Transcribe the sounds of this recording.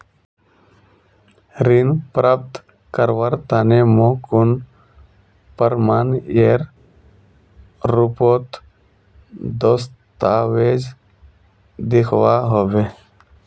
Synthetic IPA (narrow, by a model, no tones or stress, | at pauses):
ɾinpɾaːp̚t̪ | kəɾʋəɾt̪aːnemõːkʊn | pəɾmaːneːɾ | ɾʊpoːt̪ | d̪oːst̪aːweːd͡ʒ | d̪ɪkʰwaːɦoʋeː